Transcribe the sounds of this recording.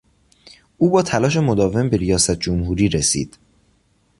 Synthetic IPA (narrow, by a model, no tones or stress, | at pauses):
ʔuːbɒːt̪ʰælɒːʃ̬e̞mo̞d̪ɒːve̞mbe̞ɾijɒːsæt̪̚ʰd͡ʒomɦuːɾiːɾesḭːd̪̥